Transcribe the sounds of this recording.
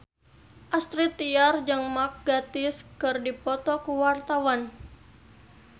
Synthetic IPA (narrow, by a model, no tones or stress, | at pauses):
ʔast̪ɾit̪ːiard͡ʒɨŋmak̚ɡat̪ɪskɨrdipɔt̪ɔkuwart̪awan